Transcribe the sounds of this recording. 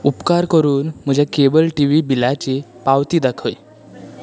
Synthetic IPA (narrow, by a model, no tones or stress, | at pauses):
upkaɾkəɾuːnm̤əd͡ʑʱakebəlʈiʋiːbilat͡ɕepaʋt̪iːd̪akʰəj